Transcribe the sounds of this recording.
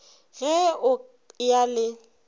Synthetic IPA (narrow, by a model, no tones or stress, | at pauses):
ɣɛʊ | jalɪ